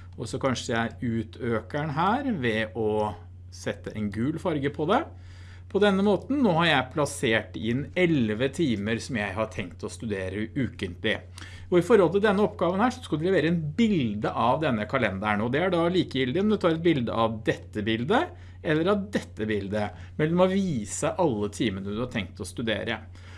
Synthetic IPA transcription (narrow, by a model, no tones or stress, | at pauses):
ɔsɔkʰɑnʂəæʉːt̪ʰøːkæɳɦæːɾʋɛʔɔ | sɛt̪ːəʔɛnɡʉːlfɑɾɡəpʰɔd̪ɛ | pʰɔd̪ɛnːəmoːt̪n̩ːoːhɑɾjæɪpʰlɑseːʈɪnɛlʋət̪ʰiːməɾsɔmjæɪhɑʈʰɛŋkt̪ʰɔst̪ʉd̪eːɾəʉːkənt̪lɪ̰ | ɔɪfɔɾɔlt̪ɪld̪ɛnːəɔpːɡɑːʋənhæːʂɔ̥skɑld̪ɛlɛʋeːɾəɛnbɪld̪əʔɑʋd̪ɛnːəkʰɑlɛnd̪æɳoːd̪ɛæɖɑliːkəjɪld̪ɪɔmd̪ɛt̪ʰɑːɾɛt̪̚bɪld̪ə̰ɑʋd̪ɛt̪ːəbɪld̪ə | ɛlːəɾɑʋd̪ɛt̪ːəbɪld̪ə | mɛlːɔmɔʋiːsəʔɑlːət̪ʰiːmənəd̪ʉhɑʈʰɛŋkt̪ɔst̪ʉd̪ḛːɾə̰